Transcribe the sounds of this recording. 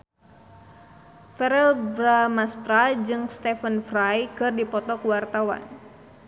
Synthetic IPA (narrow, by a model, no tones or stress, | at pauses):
fɛɾɛlbɾamast̪ɾad͡ʒɨŋst̪ɛfənfrajkɨrdipɔt̪ɔkuwart̪awa̰n